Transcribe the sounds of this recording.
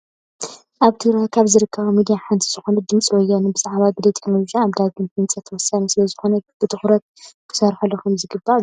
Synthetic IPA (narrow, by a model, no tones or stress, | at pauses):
ʔaβt̪ʰɨɡɾakʰaβzɨɾɨkʰːɐβɐmid̪ijaħant̪ʰizɨxo̞nɐd̪ɨmt͡sʼwɔjːanubɨzʼaʕβabilet̪ʼʰe̥knolod͡ʒijaːβd̪aɡɨnt̪ʰɨnt͡sʼɐt̪ʰːɐwɔsːanisɨlɐzɨxo̞nɐb̥ɨt̪ʰɨxɾɐt̪̚kʰɨ̥sɐɾħɐlːɐkʰumzɨɡɨba